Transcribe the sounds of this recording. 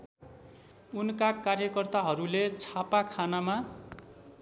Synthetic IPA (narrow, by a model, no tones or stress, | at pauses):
unkakarjʌkʌrt̪aɦʌɾulet͡sʰapakʰanama